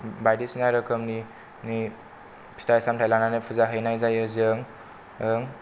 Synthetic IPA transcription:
bajdisinaɾɯkʰəmni | ni | pʰi̥tajsamtʰajlananɯpʰuzaɦɯjnajzajɯzɯŋ | ɯŋ

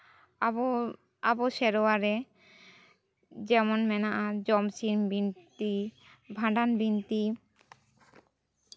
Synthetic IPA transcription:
aboʃɛɾoaɾe | d͡ʑɛmonmɛnaʔad͡ʑɔmsiɾmbint̪i | bʱãɖanbint̪i

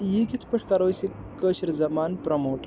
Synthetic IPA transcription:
jikit̪ʰpəʈʰkaɾoːjsi | kəɕiɾzɐmaːnpɾɐmoːʈ

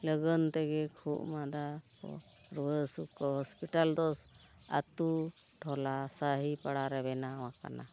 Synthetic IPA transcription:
ləɡənt̪ɛɡɛkʰuʔmad̪a | ɔ̰ɾuəsukɔɦɔspiʈald̪ɔs | a̰t̪u | ʈʰɔlasaɦipaɽaɾɛbɛnawaka̰na̰

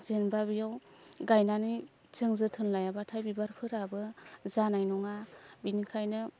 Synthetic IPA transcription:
zenbabijawɡajnani | zɯŋzɯtʰɯnlajabatʰajbibaɾpʰɯɾabɯzanajnɔŋabinikʰajnɯ

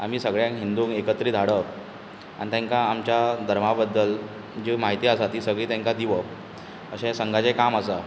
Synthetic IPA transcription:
a̰m̤iːsəɡɭjãŋkɦind̪uːŋekət̪ɾiːd̪ʱaɽə | a̰nit̪ɛ̃ŋkaːmt͡ɕjad̪ʱəɾmabəd̪ːəl | d͡ʑemaɦit̪iːasat̪iːsəɡɭiːt̪ɛ̃ŋkad̪iʋə | əɕẽsəŋɡat͡sekaməsa

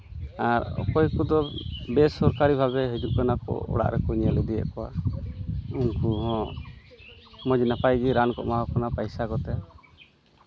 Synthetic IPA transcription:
aɾɔ̰kɔjkud̪ɔbɛsɔɾkaɾibʱabɛɦed͡ʒuʔkanakɔ̰ɔ̰ɽa̰ʔɾɛkɔɲɛlɛd̪ɛjə̰ʔkɔwa̰ | unkuɦɔ̃ | mɔd͡ʒnapajɡiɾankɔ̰ʔmaɦɔkanapajsakɔt̪ɛ

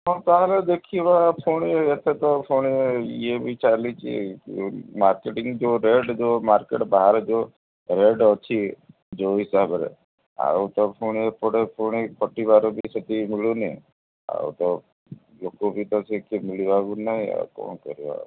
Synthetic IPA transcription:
ɦɔt̪aɦled̪ekʰiʋapʰoɳ̃eet̪ʰet̪ɔpʰoɳ̃eiebit͡ʃalit͡ʃʰiḛkmaɾkeʈiŋɡd͡ʒoɾeɖd͡ʒomaɾkeʈbaɦaɾd͡ʒo | ɾeɖɔt͡ʃʰi | d͡ʒoɦisabɾḛ | a̰ut̪ɔpʰoñepɔɽepʰoɳ̃epʰɔʈibaɾobʱisət̪imiloni | a̰ut̪ɔ | lokobʱit̪ɔsekemiliʋaɡunaɦĩa̰kɔ̰ːɳkɔ̰ɾiʋa̰

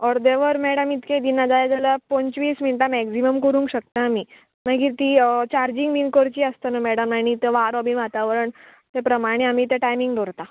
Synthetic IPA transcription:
ɔɾd̪eʋəɾmɛɽəmit̪kẽd̪inad͡zajad͡zalapɔ̃nt͡ɕʋiːsmiɳʈamɛksiməmkəɾũːŋkɕək̚t̪ãmi | maɡiːt̪it͡ɕaɾd͡ʑiŋɡbinkəɾt͡ɕiəst̪ənəmɛɽəmnaɽ̃it̪əʋaɾɔbinʋat̪aʋəɾəɳ | t̪epɾəmaɽ̃eamiːt̪eʈajmiŋɡɖoɾt̪a

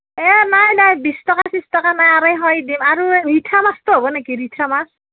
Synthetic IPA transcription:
ɛnajnajbistɔkasistɔkanajaɾajɦɔjdimaɾuɾitʰamastoɦɔbɔnekiɾitʰamas

